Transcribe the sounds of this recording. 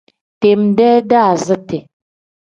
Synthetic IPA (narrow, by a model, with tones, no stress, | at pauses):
te˨mdɛː˦da˦˨zə˦te˨